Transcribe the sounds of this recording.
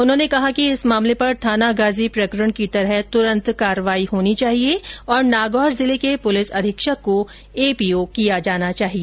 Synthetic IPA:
ʊnɦõːnekɐɦakiɪsmaːmlepɐɾt̪ʰaːnaɡaːzipɾɐkɾəɽ̃kit̪ɐɾəɦt̪ʊɾə̃nt̪kaːɾəʋaːiɦoːnit͡ʃaːɦieɔːɾnaːɡɔːɾzɪlekepʊlɪsɐd̪ʱɪkʃəkːo | eːpiːokijad͡ʒaːnat͡ʃaːɦieː

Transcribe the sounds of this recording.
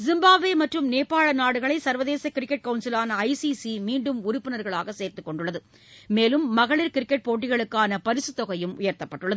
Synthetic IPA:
zɪmbaːʋeːmɐʈrɯmneːpːaːɭɐnaːɽɯɣɐɭɐɪsɐɾʋɐðeːsɐkɪɾɪkːɛʈ̚kɐʊnsɪlaːnɐɐɪsisimiːɳɖɯmʊɾʊpːɪnɐɾɣɐɭaːɣɐseːɾt̪ɯkːɔɳɖɯɭːɐðɯ | meːlɯmːɐɣɐɭɪɾkɪɾɪkːɛʈ̚poːʈ̬ːɪɣɐɭɯkːaːnɐpɐɾɪsɯt̪ːɔɣɐjɯmʊjɐɾt̪ːɐpːɐʈːɯɭːɐðɯ

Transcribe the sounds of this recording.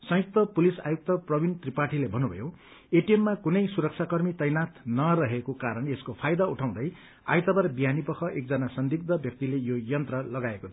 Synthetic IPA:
sʌ̃ɦjik̚t̪ʌpulisa̰juk̚t̪ʌprʌbʱint̪ripaʈʰilebʱʌnubʱʌ̰jo | eʈiemːakunʌjsuɾʌk̚t͡sʰakʌrmit̪ʌjnat̪nʌɾʌɦekokaɾʌneskopʰajd̪auʈʰaw̃d̪ʌj | a̰jt̪ʌbʌrbijanipʌkʰʌʔek̚d͡zʌnasʌnd̪ik̚d̪ʌbʱjʌk̚t̪ilejojʌnt̪rʌlʌɡaekot̪ʰ

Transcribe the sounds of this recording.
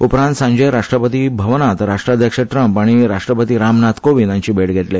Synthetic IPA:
upɾãnt̪sãɲd͡ʑəjɾaʂʈɾəpət̪ibʱəʋnat̪ɾaʂʈɾad̪ʱjəkʂəʈɾəmpaɽ̃iɾaʂʈɾəpət̪iːɾamnat̪koʋinaɲt͡ɕiːbʱeɽɡʱeʈle

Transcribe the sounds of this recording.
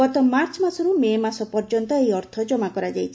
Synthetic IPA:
ɔt̪ɔmaɾt͡ʃmasɔɾumemasɔpɔɾd͡ʒɔnt̪ɔejɔɾt̪ʰɔd͡ʒɔmakɔɾad͡ʒajt͡ʃʰi

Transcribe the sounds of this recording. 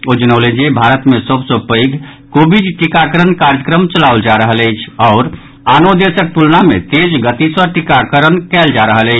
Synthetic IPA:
od͡ʒənəʊlə̃nd͡ʒebʱaɾət̪mesəbsə̃pəjɡʱ | kobiɖʈikakəɾənkaɾd͡ʒəkɾəmt͡ʃəlauld͡ʒaɾəɦələjt͡ʃʰɔʊɾ | anod̪esək̚t̪ulnamet̪ed͡ʒɡət̪isəʈikakəɾənkɛld͡ʒaɾəɦələɪt͡ʃʰ

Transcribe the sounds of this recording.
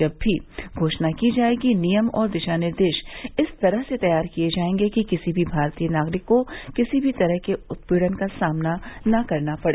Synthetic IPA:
ɐbʱːiɡʱoːʃnakid͡ʒaːeːɡinijəmɔ̰ːɾd̪ɪʃaːnɪɾd̪eːʃɪst̪ɐɾəɦset̪ɐjaːɾkijed͡ʒaːẽːŋɡekikɪsibʱibʱaːɾt̪iːənaːɡɾɪkːokɪsibʱit̪ɐɾəɦkeʊt̪̚piːɽənkasaːmnanɐkɐɾnapɐɽ

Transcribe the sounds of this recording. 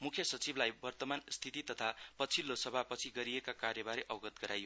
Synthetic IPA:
mukʰjʌsʌt͡siblajbʌrt̪ʌmanst̪ʰit̪it̪ʌt̪ʰapʌt͡sʰilːosʌbʱapʌt͡sʰiɡʌɾiekakarjʌbaɾeʔʌbɡʌt̪̚ɡʌɾajo

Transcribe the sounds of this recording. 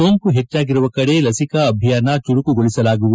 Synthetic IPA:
oːŋkuɦet͡ʃːaːɡiɾuʋɐkɐɽe̞lɐsikɐːbʱijaːnɐt͡ʃuɽukuɡoɭisɐlaːɡuʋu

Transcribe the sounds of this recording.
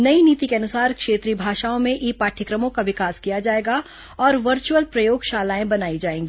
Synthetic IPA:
nɐiniːt̪ikeɐnʊsaːɾkʃeːt̪ɾiːbʱaːʃaːõmẽʔiːpaːʈʰɪkɾəmõkaʋɪkaːskijad͡ʒaːeːɡa | ɔːɾʋɐɾt͡ʃuəlpɾɐjoːɡʃaːlaːẽbɐnaːid͡ʒaːẽːŋɡi

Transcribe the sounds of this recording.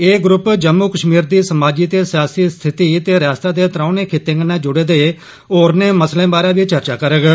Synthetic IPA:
eːɡɾʊpd͡ʒəmːuːkəʃmiːɾd̪iːsəmaːd͡ʒiːt̪eːsɪjaːsiːst̪ʰɪt̪iːt̪eːɾjaːst̪aːd̪eːt̪ɾãːuneːkʰɪt̪ẽːŋɡnẽːd͡ʒʊɽeːd̪eː | oːɾneːməslẽːbaːɾãːʋiːt͡ʃəɾt͡ʃaːkəɾəɡ

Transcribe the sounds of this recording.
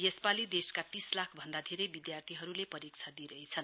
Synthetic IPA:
jespalid̪eskat̪islakʰbʱʌnd̪ad̪ʱeɾejbid̪jart̪ʰiɦʌɾulepʌɾik̚t͡sʰad̪iɾʌjt͡sʰʌn

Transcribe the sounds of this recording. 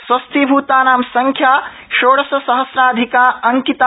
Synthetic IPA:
swɐst̪ʰibʱuːt̪aːnaːmsɐŋkʰjaː | ʃoːɽɐsɐsɐɦɐsɾaːd̪ʱikaːɐŋkit̪a

